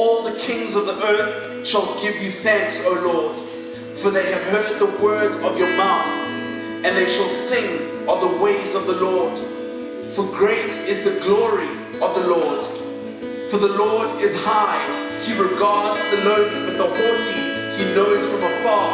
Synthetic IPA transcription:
ɔlˠðəkʰɪ̃ŋzʌvðiʔɜ˞θ | ʃəlˠɡɪvjɨθæ̃ŋksoʊlɔɹd̥ | fə˞ðeɪɨv̥hɜ˞d̪̚ðəwɜ˞dzʌvjə˞maʊθ | ɨ̃nðeɪʃəlˠsɪ̃ŋ | əvðəweɪzʌvðəlɔɹd̥ | fəɡɹeɪɾɪzðəɡlɔɹi | ʌvðəlɔɹd | fəðəlɔɹɾɪz̥haɪ | hiɹɪɡɑɹddzðəlõʊ̃nɨ̃nðəhɔti | hinoʊz̥fə̃məfɑ

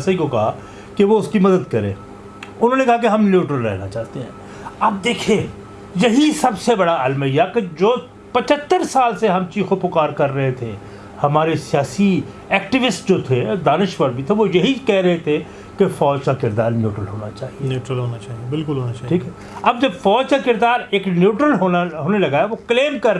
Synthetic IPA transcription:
saikokɐɦa | keʋoʊskimɐd̪əd̪kɐɾḛ̃ː | ʊnɦõːnekɐɦak̬eɦɐmnjuːʈɾəlɾɛ̰ɦnat͡ʃaːɦt̪eɦɛ̰̃ː | ɐːb̚d̪eːkʰẽ | jɐɦisɐbsebɐɽaɐlmɦɛijaked͡ʒoː | pɐt͡ʃət̪ːəɾsaːlseɦɐmt͡ʃiːxkopʊkaːɾkɐɾːɐɦet̪ʰe | hɐmaːɾesɪjaːsi | ɛːk̚ʈɪʋɪsʈd͡ʒoːt̪ʰed̪aːnɪʃʋəɾbʱit̪ʰeʋojɐɦikɛɦɾɐɦet̪ʰe | kefɔːd͡ʒkakɪɾd̪aːɾnjuːʈɾəlɦoːnat͡ʃaːɦinjuːʈɾəlɦoːnat͡ʃaːɦiebɪlkʊlɦoːnaaːʈʰiːkɦɛː | ɐb̚d͡ʒɐbfɔːd͡ʒkakɪɾd̪aːɾeːknjuːʈɾəlɦoːnaɦoːnelɐɡaɛʋokleːmkɐɾ

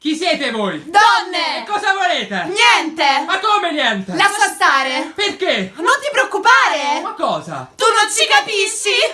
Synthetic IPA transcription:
k̟isːjɛːt̪evojd̪ɔnːeekːɔːzavoleːt̪enjɛnt̪emakːomenjɛnt̪elaskat̪ːaːɾeperkenont̪ipɾeokːupaːɾemakːɔːza̰t̪unːont͡ʃ̪ikapisːi

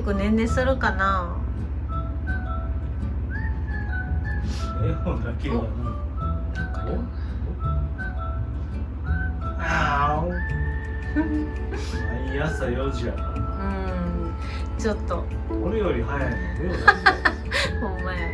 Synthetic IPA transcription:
kɯ̟nẽnːesɨɾɯkana | ejoaɡakʲia | a | aijasajoʑia | ɯ̟̃ | t͡ɕot̪ːo | oɾejoɾʲiɦajaiajo | hõmːa

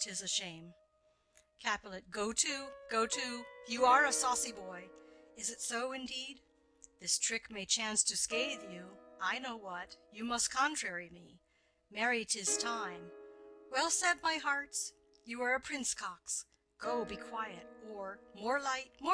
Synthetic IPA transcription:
ɾɨzɨʃẽɪ̃m | kʰæpl̩ˠɨt̚ɡ̥oʊtʰʉɡ̥oʊɾʰʉjɨə˞əsɔsibɔɪɨzɨtsoʊɨ̃ndid̪̚ | ðɪstʰɹ̥ɪkmeɪt͡ʃʰæ̃nstʰɨskeɪðjʉaɪnoʊwʌtɨmʌskʰɑ̃ntʰɹ̥ɛɹimi | mɛɹiɾɪz̥tʰãɪ̃mwɛlˠsɛd̚maɪɦɑɹts | jɨə˞ɨpʰɹ̥ɪ̃nskʰɑks | ɡ̥oʊbikʰw̥aɪɨɾ̚ə˞mɔɹlaɪt̚mɔ

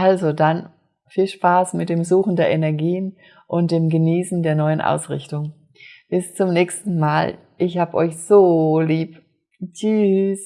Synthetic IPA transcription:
ʔalzodan | fiːlʃpaːsmɪt̚d̥eːmzuːxn̩deːɐʔenɛɐɡiːən | ʔʊnt̚d̥eːmɡəniːsn̩deːɐnɔʏənʔa̰ʊsʁɪ̰çtʊŋ | b̥ɪst͡sʊmnɛːçstn̩maːl | ʔɪçhaːbəʔɔʏçz̥oːliːp | t͡ʃys

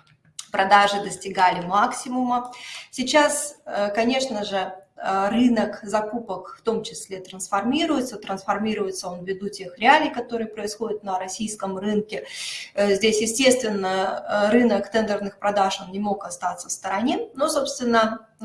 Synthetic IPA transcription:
pɾɐd̪aʐɨd̪əsʲtʲɪɡalʲɪmaksʲɪmʊməsʲɪt͡ɕasəkɐnʲe̞ʂnəʐɨərɨnəkzɐkupəkft̪o̞mt͡ɕɪsʲlʲe̞t̪ɾənsfɐrmʲiɾʊjɪt̪sət̪ɾənsfɐrmʲiɾʊjɪt̪səo̞nvʲɪd̪utʲe̞xɾʲɪalʲɪjkɐt̪o̞ɾɨjəpɾəɪsxo̞dʲɪt̪nəɾɐsʲijskəmrɨnkʲɪ | zʲdʲesʲjɪsʲtʲe̞st̪vʲɪnːərɨnəkt̪ɛnd̪ərnɨxpɾɐd̪aʂo̞nnʲɪmo̞kɐst̪at̪səfst̪əɾɐnʲe̞no̞so̞pst̪vʲɪnːə

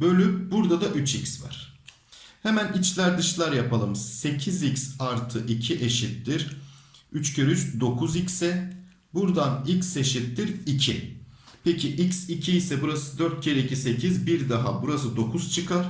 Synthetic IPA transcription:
bø̞lʲybuɾd̪ad̪aʔyt͡ʃʰicsva̰ɾ̥ | hemænit͡ʃlʲæɾd̪ɯʃlˠaɾjapalˠɯmse̞cʰizicsaɾt̪ʰɯʔicʰiʔe̞ʃit̪ːiɾ̥ | yt͡ʃcʰøɾyt͡ʃd̪o̞kʰuzicsɛ | buɾd̪anicse̞ʃit̪ːiɾicʰipʰecʰiʔicsicʰiːsɛbuɾasɯd̪øɾt̪̚ɟe̞ɾecise̞cʰizbiɾd̪aɦa̰buɾasɯd̪o̞kʰuzt͡ʃʰɯkʰaɾ

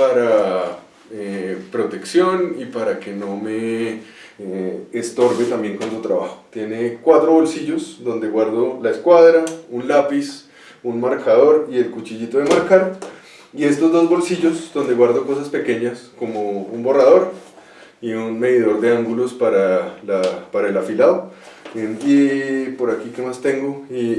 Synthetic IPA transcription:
paɾa | epɾo̞t̪e̞ksjo̞nipaɾake̞no̞me̞ | eːst̪o̞ɾβe̞t̪ambje̞ŋkwont̪ot̪ɾaβaxo̥t̪je̞ne̞kwat̪ɾo̞βo̞lsiʝo̞zd̪o̞nd̪e̞ɣwaɾd̪o̞laeskwaðɾaunlapis | unmaɾkaðo̞ɾie̞lkut͡ʃiʝit̪o̞ðemaɾkaɾo | ie̞st̪o̞zd̪o̞zbo̞lsiʝo̞zd̪o̞nd̪e̞ɣwaɾd̪oko̞saspe̞ke̞ɲasko̞moumbo̞raðo̞ɾ | iunme̞ðiðo̞ɾd̪e̞aŋɡulo̞spaɾalapaɾaelafilaðound̪epo̞ɾakike̞mast̪e̞ŋɡo̞i

